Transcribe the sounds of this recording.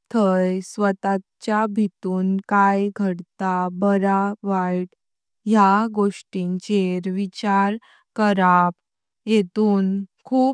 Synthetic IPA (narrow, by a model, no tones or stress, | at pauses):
t̪ʰəjsʋət̪at͡ɕjabʱit̪uːnkajɡʱəɽt̪abəɾaʋaʈ | jaɡoʂʈint͡ɕeɾʋit͡ɕaɾ | kəɾap | jet̪uːnkʰuːp